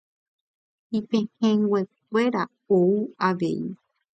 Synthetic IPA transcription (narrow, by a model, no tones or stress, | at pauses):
ipẽhẽŋɡwʷek̚ʷe̞ɾa | ouaʋe̞̰i